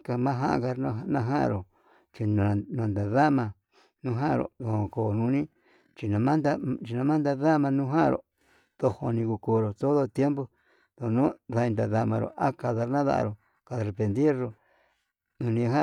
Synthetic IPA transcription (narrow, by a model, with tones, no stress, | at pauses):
ka˧mã˦ɦã˦ʔka˧ɾnã˧ɦã˦ʔa̰˧ɾo˨ | t͡ʃi˧nã˨˧nã˧˨nd̪a˨ða˦mã˧ | nũ˦ɦã˦˧ɾo̰˨ðo˨ho˧˨ko˧˨nũ˧˦nĩ˦ | t͡ʃi˧nã˨˧mã˦nd̪a˦˧t͡ʃi˧nã˧mã˦nd̪a˧ða˦mã˧nũ˦ɦã̰˦˧ɾo̰˨ | ð̥o˧ho˧nĩ˧ku˧ko˧ɾo˨t̪o˦ðo˦t̪je˦mbo˧ | ðo˧nũ˦ða˧i˧nd̪a˧ða˧mã̰˧ɾo̰˨ʔa˦ka˧ða˧ɾnã˦ða̰˦ʔa̰˧ɾo˨ | ka˧ðɾe˨pe˧nd̪i˦ɾɾo˨ | u˧nĩ˧hã˦